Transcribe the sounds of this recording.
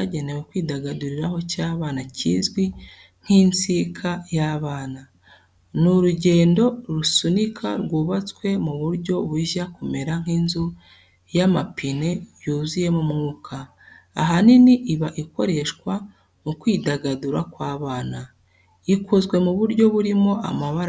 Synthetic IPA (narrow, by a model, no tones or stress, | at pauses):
aɟe̞newekwiːdaɡaduɾiɾaho̞caːβaːnacḭːzɡwi | ŋ̥hint͡sikʰajaːβaːna | nuɾuɟe̞ːndo̞ɾusunikʰa̰ɾɡuːβat͡swe̞muβuɾɟo̞βuʒakume̞ɾaŋ̥hiːnzu | jamapine̞juːzije̞mumŋuːkʰa̰ː | ɦaniniʔiβaʔiko̞ɾe̞ʃkwa | mukwiːdaɡaduɾakwaːβaːna | ikuzɡwe̞muβuɾɟo̞βuɾimo̞ʔa̰maβaɾ